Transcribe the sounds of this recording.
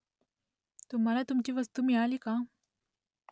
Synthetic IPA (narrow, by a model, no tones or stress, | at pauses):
t̪um̤alat̪umt͡ɕiːʋəst̪umiɭaliːka